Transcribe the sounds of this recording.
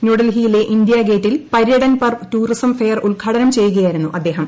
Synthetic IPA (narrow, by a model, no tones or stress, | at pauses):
njuːɽɐlɦijile̞ʔind̪ijɐɡe̞ːtːilpɐɾjɐɽɐnpɐrtuːrisɐmfejɐruɭkʰaːɽɐnɐmt͡ɕe̞jːuɣɐjaːiɾunːuʔɐd̪ːe̞ːɦɐm